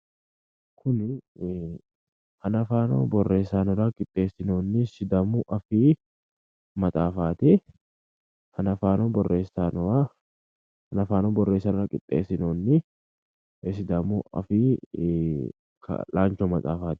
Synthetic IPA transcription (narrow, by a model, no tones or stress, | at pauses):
kʰʊnɪ | hɐnɐfaːno̰ːbɔrːe̞ːsaːnɔɾɐkʼɪt̪ʼːe̞ːsɪnoːnːɪsɪd̪ɐmʊʔɐfiː | mɐt̪ʼaːfaːt̪ɛ | hɐnɐfaːnoːbɔrːʔeːsaːnɔwa | hɐnɐfaːnoːbɔrːe̞ːsːaːnɔɾɐkʼɪt̪ʼːḛːsːɪnoːnːɪ | sɪd̪ɐmuɐ̰fiː | kʰɐ̰laːnt͡ʃoːmɐt̪ʼa̰ːfaːt̪ɪ̥